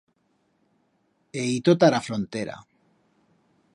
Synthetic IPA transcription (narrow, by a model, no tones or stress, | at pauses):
eit̪ot̪aɾafɾont̪eɾa̰